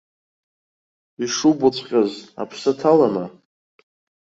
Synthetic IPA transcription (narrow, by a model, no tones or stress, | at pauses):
iʂubʊt͡sʷʰʼqʲʼaza̰pʰsatʰalana